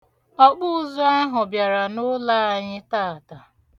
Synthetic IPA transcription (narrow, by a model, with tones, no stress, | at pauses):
ɔ˦k͡pʊ˦ʊ˦zʊ˦a˦ɦʊ˨bja˨ɾa˨nʊ˦la˦a˨ɲɪ˦ta˦˨a˨ta˨